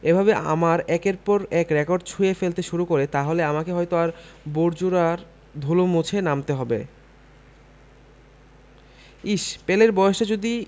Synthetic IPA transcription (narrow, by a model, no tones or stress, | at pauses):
ebʱabea̰maɾɛkeɾpɔɾɛkɾekoɾɖt͡ɕʰuefelt̪eʃuɾukoɾet̪aɦoleamakeɦɔjt̪oaɾboɾd͡ʑuɾaɾ | d̪ʱulomut͡ɕʰenamt̪eɦɔbḛ | iʃpeleɾbɔoʃʈad͡ʑod̪i